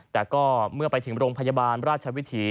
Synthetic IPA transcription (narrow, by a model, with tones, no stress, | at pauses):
t̪ɛː˨˩kɔː˥˩mɯ˥˩ɐpa˧jt̪ʰɯ˩˦ŋɾoː˧ŋpʰa˧ja˧baː˧nɾaː˥˩t̪̚t͡ɕʰa˧wi˦˥t̪ʰiː˧